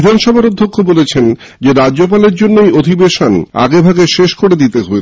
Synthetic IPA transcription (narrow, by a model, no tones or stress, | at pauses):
id̪ʱanʃɔbʱaɾod̪ʱːokʰːobolet͡ɕʰen | d͡ʑeɾad͡ʑop̬aleɾd͡ʑonːoejod̪ʱibeʃona̰ɡebʱaɡeʃeʃkoɾed̪it̪eɦoe